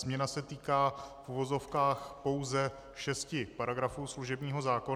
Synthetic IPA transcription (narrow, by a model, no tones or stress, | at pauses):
zmɲɛnasɛt̪iːkaːfʔuvo̞zo̞fkaːxpo̞wzɛ | ʃɛscɪpaɾaɡɾafuːsluʒɛbɲiːɦo̞zaːko̞